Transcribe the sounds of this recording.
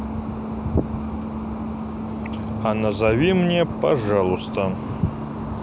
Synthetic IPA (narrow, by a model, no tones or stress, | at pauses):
ɐnɐzavʲimnʲɛpaʐalˠust̪ɐ